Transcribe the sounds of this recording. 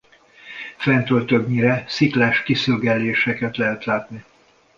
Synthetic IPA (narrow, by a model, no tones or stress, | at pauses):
fɛnt̪ølt̪øɡɲiɾɛsiklaːʃkisyɡɛlːeːʃɛkɛt̪lɛɦɛt̪laːt̪ni